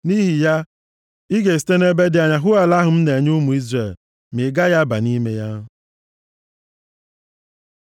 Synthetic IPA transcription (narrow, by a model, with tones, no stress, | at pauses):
ni˦ɦi˨ja˦ | i˦ɡe˨si̥˨te˦ne˦be˦dɪ˨a˨ɲa˨ɦʊ˦a˨la˦ɦʊ˨m̩˦ne˨ɲ˦u˦mu˨i˦zre˨l | me˨ɡa˦ja˦ba̰˨ni˦me˦ja˦